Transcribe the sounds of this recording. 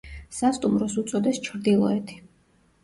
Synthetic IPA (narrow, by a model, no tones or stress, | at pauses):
sast̪ʼumɾɔsut̪sʼɔd̪ɛst͡ʃʰɾd̪ilˠɔɛt̪ʰi̥